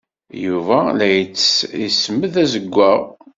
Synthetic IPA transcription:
juvælæjət͡sːisəməðæzəɡʷːæ

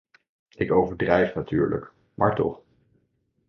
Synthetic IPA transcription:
ɪkowvəɹdrɛjfnatyːɹlə̰k | mʔa̰ːɹtɔ̰χ

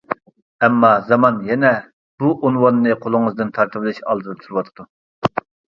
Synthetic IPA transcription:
ɛmːɑzɑmɑnjɛnɛ | b̥uʔonwɑnːɨqʰolˠʊŋɨzd̪ɨnt̪ʰɑɾt̪ʰɨblˠɪʃɑ̰lˠd̪d̪ɨp̚t̪ʰuɾɨwɑt̪ʰɨd̪̥u

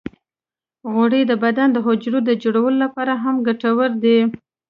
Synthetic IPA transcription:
ɣoɽed̪əbad̪and̪əɦʊd͡ʒɾod̪əd͡ʒoɽawəlolapɑɾaɦamɡaʈawəɾd̪e

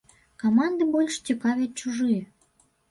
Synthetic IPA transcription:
komɑnd̪ɨbolʲʃt͡ɕʲəkɑvʲet͡ɕuʒɨj

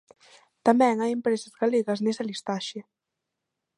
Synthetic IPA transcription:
t̪ambɛŋajempɾezəzɣaleɣəznezalist̪aʃe

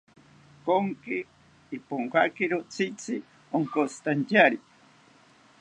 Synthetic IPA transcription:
koŋkiː | poŋkakiɾot͡sʰit͡sʰi | oŋkot͡sʰi̥t̪antʲaɾi̥

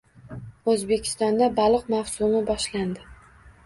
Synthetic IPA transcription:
ozbe̞kʲʰɪ̥st̪ɒnd̪abalˠɨqmawsʊmɪbɒʃland̪ɪ

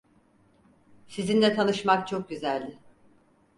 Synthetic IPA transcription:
sizind̪ɛt̪ʰanɯʃmak̚t͡ʃʰo̞k̚ɟyzælʲd̪ʲɪ

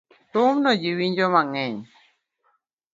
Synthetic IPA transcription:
t̪umnɔd͡ʒiwiɲd͡ʒɔmaŋɛɲ

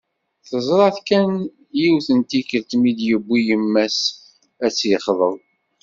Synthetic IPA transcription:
θəzˤɾˤɑθkæn | jiwθənt̪ikəɾt̪mid̪jəbʷːijəmːæs | æt͡sːjəχðˤəðˤ

